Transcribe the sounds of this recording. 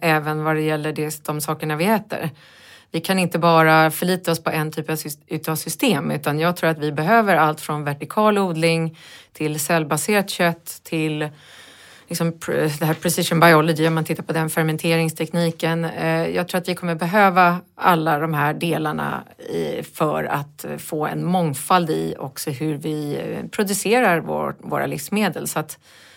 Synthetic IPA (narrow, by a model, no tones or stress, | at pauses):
ɛːvənvaɖɛjɛlːəɖɛd̪̥ɔmsɑːkəɳavɪhɛːt̪ə̰ɾ | vɪkʰanɪnt̪əbɑːɾafœɭiːt̪aɔspʰɔʔɛnt̪ʰyːpavsʉt̪asʏst̪eːmʉ̟ːt̪anjɑːɡt̪ʰɾuːɾat̪vɪbɛɦøːvəɾalt̪fɾɔnvæʈɪkʰɑːluːd̪lɪŋt̪ʰɪlsɛlːbaseːɾat̪ɕœt̪ʰːɪl | lɪksɔmd̪ɛɦæːɾpʰɾɛsɪʂənbajɔlɪd̪ɪɔmant̪ɪt̪ːaɾpʰɔd̪ɛnfɛɾmɛnt̪ʰeːɾɪŋst̪ʰɛkniːkənjɑ̰ːɡt̪ʰɾuːɾat̪vɪkʰɔmːəɾbɛɦøːvaalːad̪ɔmɦæɖeːlaɳa̰ | fœɾa̰t̪foːɛ̰nmɔŋfald̪ɪ̰ɔ̰ksɔɦɵɾvɪpʰɾʊd̪ɵseːɾaɾvo̰vo̰ːɾa̰lɪfsmeːd̪əlsɔat̪